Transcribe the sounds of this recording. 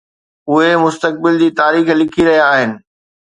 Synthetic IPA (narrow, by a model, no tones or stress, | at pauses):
ʊɦemʊst̪ək̚bɪld͡ʑiːt̪aːɾiːxlɪkʰiɾɐɦijaːɦɪnɪ̆